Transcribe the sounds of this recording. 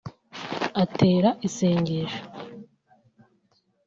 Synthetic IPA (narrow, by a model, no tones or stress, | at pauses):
atʰe̞ːɾaʔiseːɲɟeʃo̥